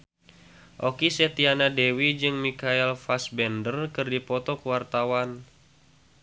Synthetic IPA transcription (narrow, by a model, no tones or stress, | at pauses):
ʔokisɛt̪ianadɛwid͡ʒɨŋmikaɛlfasbɛndərkɨrdipɔt̪ɔkəwart̪awan